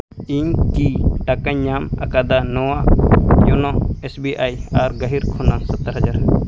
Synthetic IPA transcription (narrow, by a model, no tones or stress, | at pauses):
iɲkiʈakaɲːama̰kad̪anɔwajɔnɔesbiʔajaɾɡəɦiɾkʰunasət̪ːəɾɦəd͡ʒaɾ